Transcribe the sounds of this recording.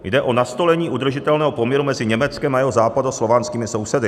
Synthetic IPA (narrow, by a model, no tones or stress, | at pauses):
jdɛʔo̞nast̪o̞lɛɲiːʔud̪r̩ʒɪt̪ɛlnɛːɦopo̞mɲɛɾumɛzɪɲɛmɛt͡skɛmajɛɦozaːpadoslo̞vaːnskiːmɪso̞wsɛdɪ